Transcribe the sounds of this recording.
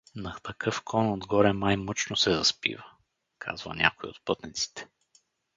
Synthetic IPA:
nɐt̪ɐkɤfkʰɔnod̪ɡɔɾɛmajmɤt͡ʃnosɛzɐspḭvə | kʰa̰zvə̰nʲa̰koiot̪̚pɤt̪nit̪si̥t̪ɛ̥

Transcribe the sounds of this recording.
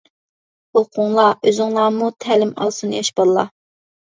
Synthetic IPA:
olˠqʰʊŋlˠɑʔøzɪŋlˠɑːmut̪ʰælɪmɑ̰lˠsunjɑʃbɑllˠɑ̰

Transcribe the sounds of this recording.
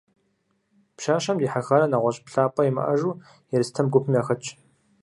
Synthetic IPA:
pʃaːʃɐmdiːħaxɐɾɐnɐʁʷɔɕʼpɬaːpʼɐjimɐ̰ʔɐʒuː | jɛɾɨstʰɐmɡʷʊpʰmiaːxɐt͡ʃʼ

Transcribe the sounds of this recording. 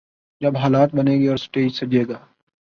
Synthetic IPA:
d͡ʒɐbɦaːlaːt̪̚bɐneːɡiɔːɾsʈeːd͡ʒsɐd͡ʒeːɡaː

